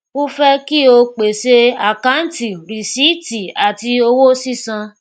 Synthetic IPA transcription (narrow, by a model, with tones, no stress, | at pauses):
ku˦fɛ˦ki˦o˧k͡pe˨se˧a˨kã˨˦n̩˦ti˨ɾi˨si˨˦ti˨a˨ti˧o˧wo˦si˦sã˧